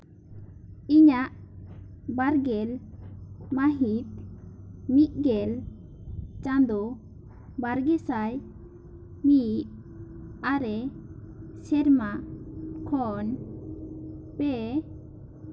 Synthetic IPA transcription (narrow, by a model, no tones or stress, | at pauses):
iɲaʔ | baɾɡɛl | maɦit̪̚ | miʔ̪̚ɡɛl | t͡ʃand̪ɔ | baɾɡɛsaj | miʔ̚ | aɾɛ | sɛɾmakʰɔn | pɛ